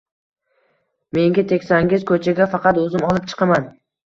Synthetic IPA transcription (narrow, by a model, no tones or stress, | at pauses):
me̞ŋɡʲat̪ʰekʲsaŋɪzkʰɵt͡ʃʰaɡʲafɑqɑt̪ɵzɪmɒlˠɪp̚t͡ʃʰɨ̥qʰɑman